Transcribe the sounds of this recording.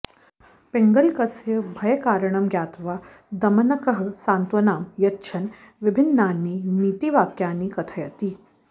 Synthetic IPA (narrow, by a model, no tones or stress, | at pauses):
pɪŋɡɐlkɐsjɐbʱɐjɐkaːɾɐɳ̃ɐmɡjaːt̪ʋaː | d̪ɐmɐnɐkɐɦɐsaːnt̪ʋɐnaːmjɐtːʃʰɐn | ʋɪbʱɪnːaːnːiːniːt̪iʋaːkjaːniːkɐt̪ʰɐjɐt̪i